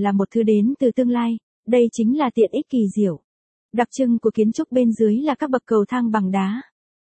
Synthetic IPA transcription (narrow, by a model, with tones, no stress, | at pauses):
laː˨˩mo˨˩t̚t̪ʰɨ˧ɗe˨˦nt̪ɨ˨˩t̪ɨ˧əŋlaː˧j | ɗə˧jt͡ɕï˨˦ŋ̟laː˨˩t̪ḭ˧˨ənʔi˦˥t̚ki˨˩zi˧˩əw | ɗa˨˩p̚t͡ɕɨ˧ŋku˧˩əki˨˦ənt͡ɕʊ˦˥k͡p̚ɓe˧nzɨ˨˦əjlaː˨˩kaː˦˥k̚ɓə˨˩k̚kːə˨˩wt̪ʰaː˧ŋɓa˨˩ŋɗaː˨˦